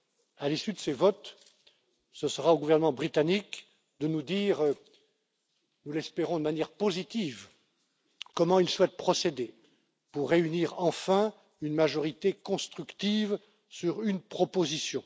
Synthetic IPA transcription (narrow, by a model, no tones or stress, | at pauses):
alisyd̪əsevɔt̪ | səsəʁaoɡuvɛʁnəmɑ̃bʁit̪anik | d̪ənud̪iːʁ | nulɛspeʁɔ̃d̪əmanjɛʁpozit̪iːv | kɔmɑ̃ilswɛt̪̚pχɔsed̪e | puʁːeyniːʁɑ̃fɛ̃ | ynmaʒɔʁit̪ekɔ̃st̪χykt̪iv | syʁynpχɔpozisjɔ̃